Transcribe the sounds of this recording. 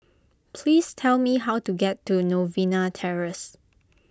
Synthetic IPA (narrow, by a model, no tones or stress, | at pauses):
pʰliːstʰɛlmiɦawtuɡɛtːunovĩnatʰɛɹəs